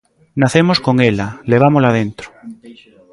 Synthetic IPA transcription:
naθemoskoŋelaleβ̞amolaðent̪ɾo̥

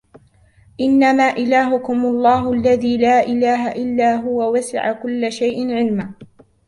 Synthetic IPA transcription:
ʔɪnːamaːʔɪlaːɦʊkʊmʊlˤːɑːɦʊʔalːaðiːlaːʔɪlaːɦaʔɪlːaːɦʊwawasɪ̰ʕakʊlːaʃajʔɪnʕɪlma

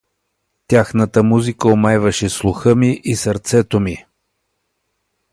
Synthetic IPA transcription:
t̪ʲjaxnət̪əmuzikəomajvəʃɛslˠuxəmiʔisəɾt̪sɛt̪omi

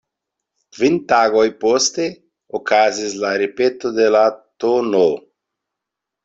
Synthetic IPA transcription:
vint̪aɣojpost̪e | okazizlaɾepet̪od̪elat̪ono

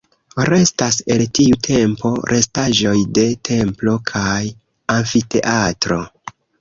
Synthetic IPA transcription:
ɾe̞stase̞ltiutʰe̞mpo̞ɾʔe̞staʒo̞jde̞tʰe̞mplo̞kʰaj | aɱfite̞ʔatɾo̞

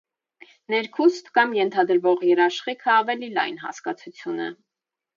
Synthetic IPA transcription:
nɛɾkʰust̪kɑmjɛnt̪ʰɑd̪əɾvɔʁjɛɾɑʃχikʰəɑvɛlilɑ̰jnɦɑ̰skɑt͡sʰut͡sʰjunɛ̰

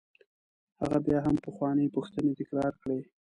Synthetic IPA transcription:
ha̰ɣabjɑɦampəxwɑnəjpuxt̪ənet̪ɪkɾɑɾkɽe

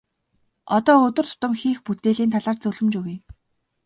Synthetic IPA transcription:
ɔt̪ɔːɵt̪ɵ̆r̥t̪ʰʊ̥t̪ə̆mxiːxput̪eːɮiːnt̪ʰaɮaːrt͡sɵɮɵ̆mt͡ɕuɣej

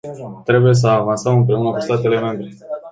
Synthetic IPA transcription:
t̪ɾe̞buje̞s̬əavansəmɨmpɾe̞unəkust̪at̪e̞le̞me̞mbɾe̞

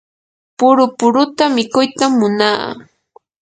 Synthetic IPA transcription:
pʊɾʊpʊɾʊt̪amɪkʊjt̪amːʊna̰ː

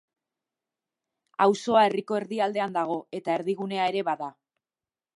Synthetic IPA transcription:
awso̞ae̞riko̞e̞ɾðiald̪e̞and̪aɣ̞o̞e̞t̪ae̞ɾðiɣ̞une̞ae̞ɾe̞βaða

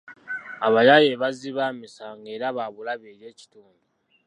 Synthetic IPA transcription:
aβajajeβaziβamisaŋɡe̞ːɾaβaβulaβeːjeːci̥tuːndu

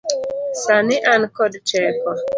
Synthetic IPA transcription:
sanɪʔankɔdt͡ʃɛkɔ

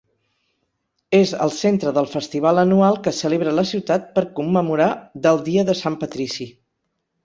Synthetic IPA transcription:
ezə̰lˠsent̪ɾəðəlˠfəst̪iβ̞alənualˠkəsəleβɾələsiwt̪at̪̚pəɾkumːəmuɾad̪əlˠd̪iəðəsampət̪ɾisi

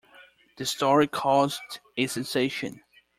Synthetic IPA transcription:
ðɨstɔɹikʰɔzdɨsɛ̃nseɪʃɨ̰̃n

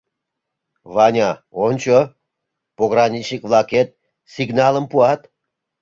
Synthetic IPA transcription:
vɑnʲɑonʲt͡ɕo | poɣrɑnʲit͡ɕnʲikvlˠɑket̪̚ | siɡnɑləmpuɑt̪

